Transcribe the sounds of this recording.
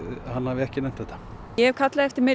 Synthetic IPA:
hanːhavɪɛhcɪnɛjm̥t̪θɛht̪ːḁ | ɛɛvkʰat̪laðɛft̪ɪɾmɛ

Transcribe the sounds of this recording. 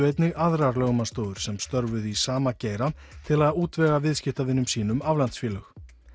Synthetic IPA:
ejt̪nɪɣaðɾaɾlœɣmanst̪oːwðʏɾ̥sɛmst̪œɾvʏðisaːmaceːjɾa | t̪ʰɪlaðuːt̪vɛːɣavɪðscɪft̪avɪnːʏmsiːnʏmavlant̪sfiːlœx

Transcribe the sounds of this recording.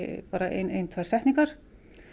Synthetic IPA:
paːɾaʔḛjnḛjnt̪ʰvajɾ̥sɛjht̪niŋkaɾ̥

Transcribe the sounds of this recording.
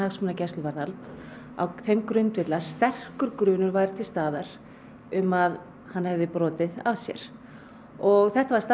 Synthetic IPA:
aɣsmʏnacɛst̪ʏvaɾðalt̪ | a̰wθejmkɾʏnt̪vɪt̪last̪ɛr̥kʏɾkɾʏːnʏɾvaːjɾt̪ʰɪlst̪aːðaɾ̥ | ʏmað | hanːhɛvðɪpɾɔːt̪ɪða̰vsjɛ̰ɾ̥ | ɔɣθɛht̪avaɾ̥st̪a

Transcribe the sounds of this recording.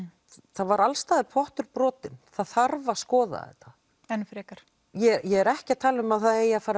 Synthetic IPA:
θavaɾalst̪aːðɪpʰɔht̪ʏɾpɾɔːt̪ɪnθaðθaɾvaskɔːða̰ðɛ̰ht̪a | ɛnfɾɛkaɾ̥ | jɛjɛɛɾɛhcɪat̪ʰaːlɪʏmaðθaðeːjːafaːɾa

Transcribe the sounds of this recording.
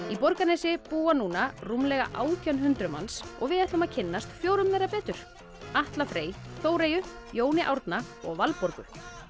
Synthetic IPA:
ipɔɾkanɛjsɪpuːanuːnarumlɛɣa̰ʔa̰ːwt̪ʰjawnhʏnt̪ɾʏma̰nsɔ̰ɣvɪðɛht̪lʏmaðcʰɪnːast̪fjoːwɾʏmːɛːɾapɛːt̪ʏɾ̥ | aht̪lafɾeːjθoːwɾeːjʏ | joːwnɪʔa̰wɾt̪na | ɔɣvalpɔɾkʏ

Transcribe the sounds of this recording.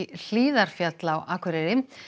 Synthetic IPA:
l̥iːðaɾ̥fjat̪lawʔaːkʰvɛɾɛɾɪm

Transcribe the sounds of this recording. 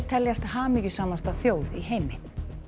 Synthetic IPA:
t̪ʰɛljast̪haːmicʏsaːmast̪awθjoːwðiɦejmɪ

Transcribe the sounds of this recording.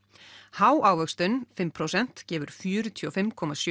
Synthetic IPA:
haːwʔaːwvœkst̪ʏnfɪmpʰɾowsɛn̥t̪cɛːvʏɾ̥fjœːɾʏt̪ʰjɔfɪmkʰɔmasj

